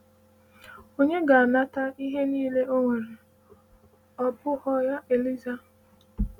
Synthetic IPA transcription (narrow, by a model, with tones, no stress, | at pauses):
o˦ɲe˦ɡa˨a˨na˦ta˦i˦ɦe˦niː˦le˦ʔo˦ŋʷe˨ɾe˨ | ɔ˨bʊ˦hɔ˦ja˦ʔe˨li˦za˦